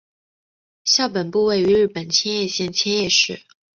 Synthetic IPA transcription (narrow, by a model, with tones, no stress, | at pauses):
ɕjɑ˥˩ʊpə˨˩npu˥˧we˥˩ɪy˧˥ɻɻ̩˥˩pə˨˩nt͡ɕʰjɛ˥njɛ˥˧ɕjɛ˥˩nt͡ɕʰjɛ˥njɛ˥˧ʂɻ̩˥˩